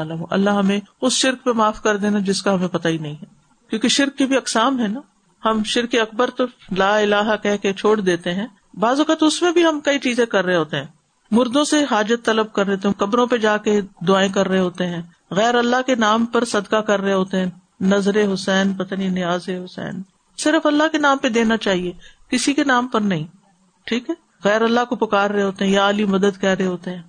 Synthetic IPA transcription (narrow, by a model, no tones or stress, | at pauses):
aːlamoʔɐ̰lːaɦɦɐmẽʊsʃɪɾkpemaːfkɐɾd̪eːnad͡ʒɪskaɦɐmẽpɐt̪ainɐɦĩɦɛː | kjõːkeʃɪɾkːebʱiɐksaːmɦɛ̃naː | hɐmʃɪɾkeɐk̚bəɾt̪olaːɪlaːɦkɛɦket͡ʃʰoːɽd̪eːt̪eɦɛ̃ː | baːzʋɐkaːt̪ʊsmẽbʱiɦɐmkɐit͡ʃiːzẽkɐɾːəɦeɦoːt̪eɦɛ̃ː | mʊɾd̪õseɦaːd͡ʒət̪ːɐləb̚kɐɾːeɦoːt̪eɦɛ̃kɐbɾõped͡ʒaːked̪ʊaːẽkɐɾːəɦeɦoːt̪eɦɛ̃ː | ɣɛːɾɐlːaɦkenaːmpɐɾsɐd̪kakɐɾːəɦeɦoːt̪eɦɛ̃ | nɐzɾeɦʊsɛːnpɐt̪aːnĩnɪjaːzeɦʊsɛ̰ːn | sɪɾəfɐlːaɦkenaːmped̪eːnat͡ʃaːɦiekɪsikenaːmpɐɾnɐɦĩ | ʈʰiːkɦɛː | ɣɛːɾɐlːakopɐkaːɾːəɦeɦoːt̪eɦɛ̃jaaːlimɐd̪əd̪kɛɦɾəɦeɦoːt̪eɦɛ̃ː